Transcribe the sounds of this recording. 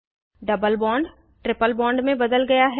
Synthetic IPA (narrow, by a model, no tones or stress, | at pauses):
ɖɐbəlbɔ̃ːɳɖ | ʈɾɪpəlbɔ̃ːɳɖmẽbɐd̪əlɡɐjaɦɛ